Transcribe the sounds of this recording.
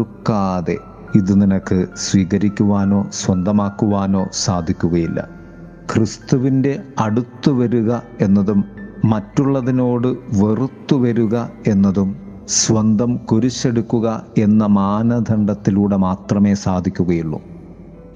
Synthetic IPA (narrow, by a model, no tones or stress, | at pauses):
ukːaːðe̞̰ | iðɨninɐkːɨsʋiːɣɐɾikʲːuʋaːno̞ːsʋɐnd̪ʱɐmaːkːuʋaːno̞ːsaːd̪ʱikʲːuɣɐjilːɐ̰ | krist̪uʋinde̞ɐɽut̪ːuʋɐɾuɣɐ | e̞nːɐðumːɐtːuɭːɐðino̞ːɽɨʋerut̪ːuʋɐɾuɣɐe̞nːɐðum | sʋɐnd̪ʱɐmkuɾit͡ɕːe̞ɽukːuɣɐe̞nːɐmaːnɐd̪ʱɐɳɖɐt̪ːiluːɽe̞maːt̪rɐme̞ːsaːd̪ʱikʲːuɣɐjiɭːṵ